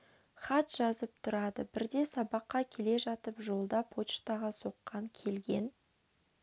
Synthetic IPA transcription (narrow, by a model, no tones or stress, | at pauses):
χɑt̪ʒ̥ɑzəp̚t̪ʰʊɾɑd̪əbɪɾd̪e̞sɑbɑqːɑkʲʰe̞le̞ʒɑt̪əpʒo̞lˠd̪ɑpʰot̪t͡ʃt̪ɑʁɑso̞qːɑŋkʲʰe̞lɡʲe̞n